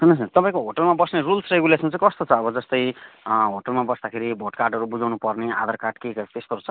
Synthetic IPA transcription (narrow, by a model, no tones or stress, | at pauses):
ɦʌnʌsnt̪ʌpãĩkoɦoʈʌlmabʌsnerulsreɡulesʌ̃m̃t͡saĩkʌst̪ot͡sʰʌːbʌd͡zʌst̪ʌjɦoʈʌlmabʌsd̪akʰeɾibʱoʈkarɖɦʌɾubud͡zʱawnupʌrnea̰d̪ʌrkaɖkekʌt̪est̪oɾut͡sʰʌ